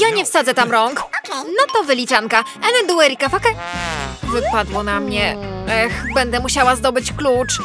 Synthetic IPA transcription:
jaɲɛfsad̪zɛt̪amɾɔŋknɔt̪ɔvɘlʲit͡ʂaŋkaɛnɛnd̪uɛɾʲikafakɛ | vɘpad̪wɔnamɲɛɛxbɛnd̪ɛmuɕawazd̪ɔbɘt͡ɕklut͡ʂ

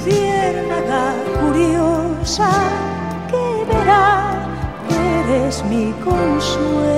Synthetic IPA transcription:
tjeɾnaðalkuɾjosa | keβeɾa | βeɾezmikonsue

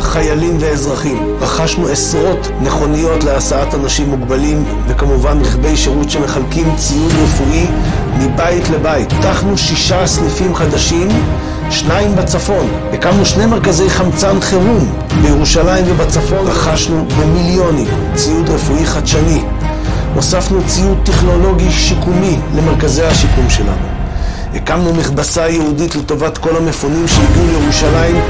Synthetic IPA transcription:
χajalimve̞ezʁaχim | ʁaχaʃnuesʁo̞t | neχo̞nijo̞tle̞asaatanaʃimːuɡbalim | vekamuvanʁiχbe̞jʃeʁutʃeme̞χalkimt͡sijudʁefui | mibaitle̞bait̪ːaχnuʃiʃaslifimχad̪aʃim | ʃnaimbat͡safo̞n | bekamuʃnejme̞ʁkaze̞jχamt͡sanχeʁum | bejeʁuʃalaimvebat͡safo̞nʁaχaʃnubemiljo̞nim | t͡siut̪ʁefuiχad̪ʃani | nosafnut͡siut̪ːeχno̞lo̞ɡiʃikumile̞meʁkazejaʃikumʃela̰nu | hekamnumiχbasajehuditle̞to̞vat̪ko̞lamefonimʃeiɡiulejeʁuʃalaim

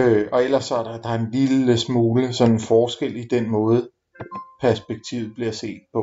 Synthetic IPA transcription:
øɒ̽el̰ɐsːɒ̽æɐɾ̥ɑd̥ɑ̈e̝nliləsmuːləsɒ̽nenfɒːsɡ̥el̰id̥enmɔ̽ːð̞̩ˠ | pʰæɐsb̥eɡ̥̚t͡sʰḭʊð̩ˠb̥liɐse̝̰ːd̥̚pʰɒ̽

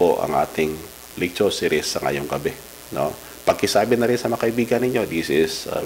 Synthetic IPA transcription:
oʔɐ̰ŋʔa̰ːt̪ɪŋ | lɪɡ̚t͡ʃosɪɾɪsːɐŋɐ̰joŋɡɐbɛ | no̰ | pɐɡ̚kɪsaːbɪnɐɾɪnsɐmɐɐkɐʔɪbiːɡɐnːɪɲo̞d̪isɪsɐ̰

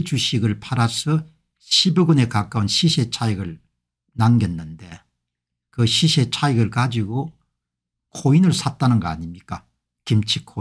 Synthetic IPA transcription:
t͡ɕuɕʰiɡɯɭpʰaɾasʰʌ | ɕʰibɯɡɯne̞kak͈aunɕʰiɕʰet͡ɕʰaiɡɯɭ | naŋɡʌnːɯnde̞ | kɯɕʰiɕʰet͡ɕʰaiɡɯɭkad͡ʑiɡo | kʰoinɯɭsʰat̚t͈anɯnɡʌa̰ɲimɲik͈a | kimt͡ɕʰi̥kʰo

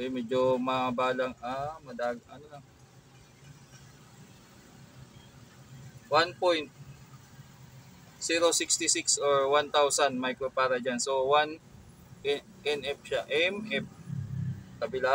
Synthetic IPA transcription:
oʔjmɛːd͡ʒomɐbaːlaŋamɐd̪aːɡɐnolaŋ | wanpojnt̪̚ | siɾosɪkst̪ɪsɪksoɹwant̪awsɐnmɐjkɾopaːɾɐd͡ʒansowan | ɛ | ʔɛnɛp̚ʃaʔɛmʔɛp̚ | kɐbɪla

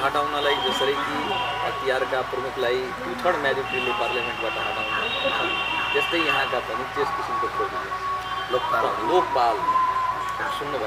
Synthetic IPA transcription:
ɦʌʈawnalajd͡zʌsʌɾʌjki | ʌ̰t̪ijaɾkaprʌmuklaj | d̪ʱut̪ʰʌɽmjad̪ipimleparljameɳʈ̚baʈʌɦʌʈawnuɦnʌd͡zest̪ʌjjʌɦãkabʱʌmik̚teskisimkopomie | oklokpal | sunːubʱʌ

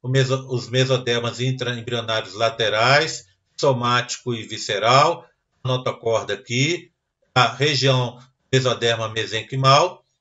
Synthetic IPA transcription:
ʊmezoʊzmezod̪ɛɾmɐzĩt̪ɾɐẽbɾionaɾjʊzlat̪eɾajs | somat͡ʃi̥kʊɪviseɾaw | ɐɐnɔt̪ɐkɔɾd̪ɐki | ɐheʒiɐ̃w̃ | mezod̪ɛɾmɐmezẽkɪmaw

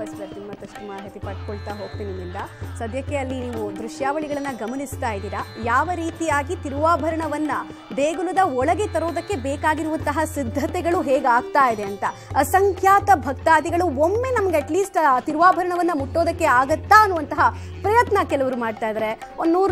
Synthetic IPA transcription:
ɐsɐt̪imːɐt̪ɐʂʈumɐɦet̪ipɐʈ̚koɭt̪aːɦo̞ːɡ̚t̪iːnimːind̪ɐsɐd̪ʱjɐkːeɐlːiniːʋud̪ɾuʂjaːʋɐɭiɡɐɭɐnːɐɡɐmɐnist̪aːjid̪iːɾɐjaːʋɐɾiːt̪ijaːɡit̪iɾuʋaːbʱɐɾɐɳɐʋɐnːɐ | b̪eːɡulud̪ɐɔɭɐɡet̪ɐɾo̞ːd̪ɐkːe̞bɛːkaːɡiɾuʋɐnt̪ɐɦɐsid̪ʱːɐt̪ɛɡɐɭuɦeːɡaːɡ̚t̪aːjid̪eɐnt̪ɐ | ɐsɐŋkʰjaːt̪ɐbʱɐk̚t̪aːd̪iɡɐɭuomːe̞nɐmɐɡeɐʈliːsʈt̪iɾuʋaːbʱɐɾɐɳɐʋɐnːɐmuʈːo̞ːd̪ɐkːe̞aːɡɐt̪ːaɐnːuʋɐnt̪ɐɦɐ | pɾɐjɐt̪nɐkɛlɐʋɐɾumaːɖt̪aːjd̪ɐɾe̞ | ond̪nuːɾ

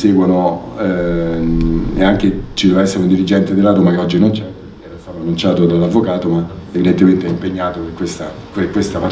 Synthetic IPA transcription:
sɛːɡwono | ḛaŋk̟et͡ʃid̪ɛːvaɛsːeɾund̪iɾid͡ʒɛnt̪ed̪elːat̪oːmakeɔd͡ʒːinont͡ʃɛpekeɛɾast̪aːt̪oanːunt͡ʃaːt̪od̪alːavːokaːt̪oma | evid̪ent̪ement̪eɛimpeɲːaːt̪operkwest̪a | perkwest̪ama

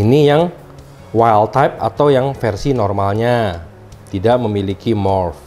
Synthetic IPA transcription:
inijaŋ | wajlt̪ajp̚a̰t̪awjaŋfɛrsinɔrmalɲa | t̪idaʔməmilikimɔrf

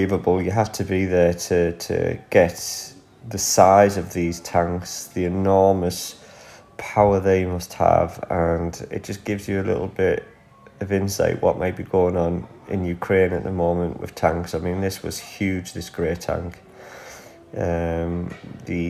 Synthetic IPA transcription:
ivəbəlˠjəɦaftʰəbiðətʰətʰə̰ɡ̥ɛʔ | ðəsaɪzəvðiz̥tʰãŋksðiɪnɔːməs | pʰaʊəðeɪmʌst̚hə̰və̃nɪ̰t̚d̥ʒ̥ʌsɡ̥ɪvzjəːlɪ̰ɾl̩ˠbɪt | əvɪ̃nsa̰ɪʔwɒ̰ʔmʔaɪʔb̥iɡoʊɪ̃ŋə̃n | ɪ̰̃njʉkʰɹ̥ẽɪ̃nə̰ʔðəmõʊ̃mə̃nʔwɪ̰ð̥tʰãŋksaɪmĩnðɪswɒ̰z̥hjʉːd͡ʒdɪsɡ̥ɹeːtʰã̰ŋk | ə̃mðə

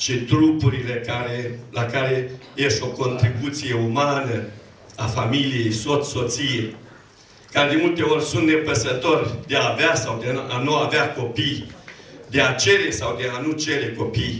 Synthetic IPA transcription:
ʃiɨnt̪ɾupuɾile̞kaɾe̞lakaɾe̞ | jest̪o̞ko̞nt̪ɾibut̪sije̞umanə | afamilijejso̞t̪so̞t̪sije | kaɾe̞d̪e̞mult̪e̞o̞rʲsunt̪ne̞pəsət̪o̞rʲd̪eaveasawd̪eanuaveako̞pij | d̪e̞at͡ʃe̞ɾe̞sawd̪e̞anut͡ʃe̞ɾe̞ko̞pij

